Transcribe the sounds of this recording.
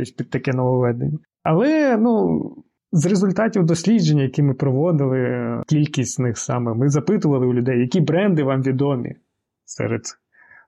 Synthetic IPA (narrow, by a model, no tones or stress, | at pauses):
ɔsʲpʲid̪̚t̪ɐkɛnɔʋɔʋɛd̪enʲːɐ | ɐlˠɛnu | zrezʊlʲt̪ɑtʲiwd̪ɔsʲlʲid͡ʒenʲːɐjɐkʲimɪpɾɔʋɔd̪ɪlˠɪkʲilʲkʲisʲtʲnɪxsɑmɛmɪzɐpɪt̪ʊʋɐlˠɪʊlʲʊd̪ɛjjɐkʲibɾɛnd̪ɪʋɑmʋʲid̪ɔmʲḭ | sɛ̰ɾed̪s